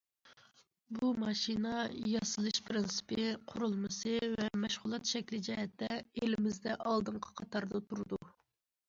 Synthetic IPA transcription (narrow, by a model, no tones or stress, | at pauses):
bumɑʃinɑjɑsɨlˠɨʃpʰɾɪnsɨ̥pʰɨqʰʊɾulˠmɨsɨvɛmɛʃʁʊlˠɑt̪ʃɛkʲlɪd͡ʒɛɦɛt̪ːɛelɪmɪzd̪ɛʔɑlˠd̪ɨɴqʰə̥qʰɑt̪ʰɑɾd̪ɑt̪ʰuɾɨd̪u